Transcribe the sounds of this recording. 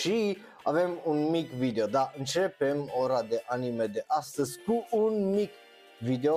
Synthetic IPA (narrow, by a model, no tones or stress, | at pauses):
ʃi | ave̞munmikvid̪eod̪aʔɨnt͡ʃe̞pemoɾad̪e̞ʔanimed̪e̞ʔast̪əzʲkuʔunmik | vid̪eo